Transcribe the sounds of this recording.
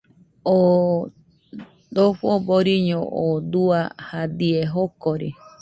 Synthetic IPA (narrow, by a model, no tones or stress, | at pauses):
o | d̪oɸoboɾiɲõʔod̪uahad̪ieɦokoɾi